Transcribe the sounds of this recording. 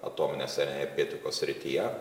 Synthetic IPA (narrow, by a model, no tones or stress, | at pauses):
ɐ̰t̪oːmʲɪnʲeːsɛnʲɛɾʲɡʲet̪ʲɪkoːsʲsʲɾʲɪt̪ʲijɛ